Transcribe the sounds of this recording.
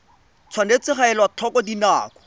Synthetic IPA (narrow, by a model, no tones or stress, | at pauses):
t͡sʰwanet͡sɪχaɛlwatʰɔkɔdina̰ːkɔ̥